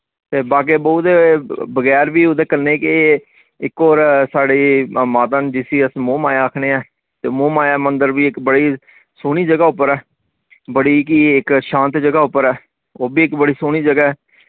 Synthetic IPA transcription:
t̪eːbaːk̬eːboːt̪bəɡɛːɾbiːʊd̪eːkəneːke | ɪkːoːɾsaːɽeːmaːt̪aːnd͡ʒɪsiːəsmõːmaːjaːaːkʰneːaː | t̪eːmõːmaːjaːmənd̪əɾbiːɪkbəɽiː | soːɽ̃iːd͡ʒəɡaːʊpːəɾɛː | bəɽiːkiɪkʃãːnt̪d͡ʒəɡaːʊpːəɾɛː | oːbiːɪkbəɽiːsoːɽ̃iːd͡ʒəɡaːɛː

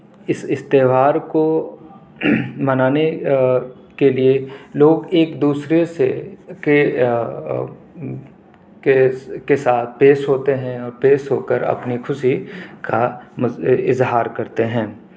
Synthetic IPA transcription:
ɪsɪst̪eːʋaːɾko | mɐnaːne | kelieloːɡeːkd̪uːsɾeseke | kekesaːt̪̚ʰpeːʃɦoːt̪eɦɛ̃ɔːɾpeːʃɦoːkəɾɐ̰pnixʰʊʃika | ɪzɦaːɾkɐɾt̪eɦɛ̃ː

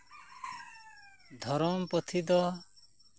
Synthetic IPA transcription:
d̪ʱɔɾɔmpɔt̪ʰid̪ɔ

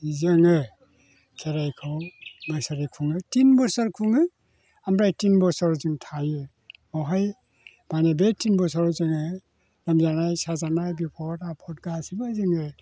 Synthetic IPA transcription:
izɯŋɯ | kʰeɾajkʰɯwmɯsaɾikʰuŋɯtinbɔsaɾkʰuŋɯ | amɾajtinbɔsɔɾzɯŋtʰajɯ | ɔwɦaj | banebetinbɔsɔɾɔzɯŋɯ | lamzanajsazanajbipʰɔtapʰɔt̚ɡasibazɯŋɯ

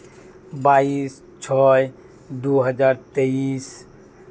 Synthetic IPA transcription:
baːis | t͡ʃʰɔj | d̪uɦəd͡ʒaːɾt̪eis

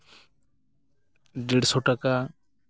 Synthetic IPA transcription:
ɖiɽsɔʈaka

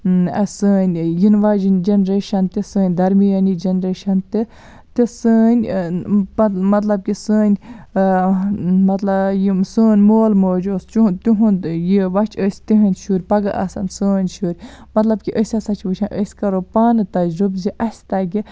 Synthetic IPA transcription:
ɐ̰səːnʲjinʋaːd͡ʒind͡ʒɐnɾeːʃɐnt̪isəːnʲd̪ɐɾmijɐnid͡ʒɐnɾeːʃɐnt̪i | t̪isəːnʲ | mɐt̪lɐb̚kisəːnʲ | mɐt̪lɐjisəːnʲmoːlmoːd͡ʒoːst͡ʃut̪uɦunjiʋɐt͡ʃʰəsʲt̪iɦənʲʃuːɾʲpɐɡɐʔɐ̰sɐ̰nsəːnʲʃuːɾʲmɐt̪lɐb̚kiʔəsʲɐsɐt͡ʃʰʋəʃʰɐnʔəsʲkɐɾopaːnɨt̪ɐd͡ʒɾubziʔɐsʲt̪ɐɡi

